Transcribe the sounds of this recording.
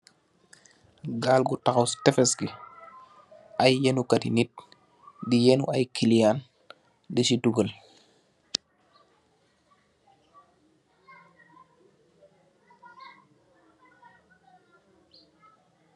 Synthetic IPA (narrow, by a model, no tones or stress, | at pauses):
ɡaːlɡutaxawstɛfɛsɡi | ajjenukɐtḭnit̚ | dijenṵajkʰilijaːn | disiduɡəl